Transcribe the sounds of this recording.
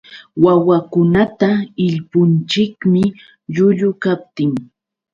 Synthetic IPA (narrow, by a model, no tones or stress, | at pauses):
wawakʊnat̪aɪʎpʊnt͡ʃɪkmɪ | ʎʊʎʊkap̚t̪ɪŋ